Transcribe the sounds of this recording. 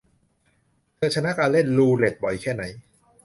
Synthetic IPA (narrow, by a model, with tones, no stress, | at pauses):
kɯ˧t̪̚t͡ɕʰa˧na˦˥kaː˧nle˥˩nluː˧le˨˩t̪̚bɔ˨˩˦jkʰɛː˥˩na˩˦j